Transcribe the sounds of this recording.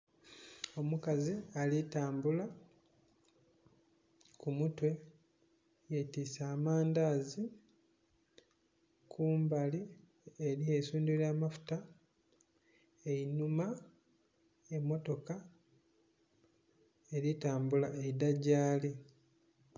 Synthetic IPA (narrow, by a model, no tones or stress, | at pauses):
o̞mukazialitaːmbula | kumutwe̞ | jetisaːmaːndazi | kʰuːmbali | eɾiesuːnduljaːmafu̥ta | einuma | emːo̞to̞ka | eɾitaːmbulaʔeidaɟaːli